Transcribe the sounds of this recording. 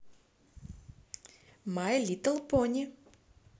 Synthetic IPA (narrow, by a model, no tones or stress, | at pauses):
majlʲit̪əlˠpɔnʲi